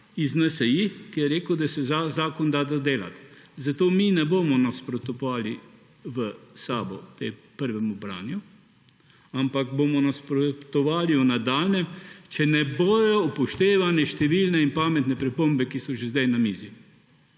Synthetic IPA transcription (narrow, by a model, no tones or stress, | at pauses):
iznɛsɛjikijɛɾeːkəwd̪asɛzazaːkɔnd̪ad̪ad̪eːla̰t̪zat̪oːminɛboːmɔnaspɾɔt̪ɔaːli | ʋəsaːbɔt̪ḛːpəɾʋɛmɔbɾa̰ːnju | ampakbomɔnaspɾɔt̪ɔʋaːliunad̪aːlnɛmt͡ʃɛnɛboːjɔpɔʃt̪eːʋanɛʃt̪ɛʋilnɛinpaːmɛt̪nɛpɾɛpoːmbɛkisɔʒezd̪ajnamiːzi